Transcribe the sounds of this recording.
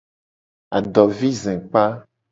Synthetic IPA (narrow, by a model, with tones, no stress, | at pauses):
a˨ɖɔ˨vi˦zɛ̃˨k͡pa˦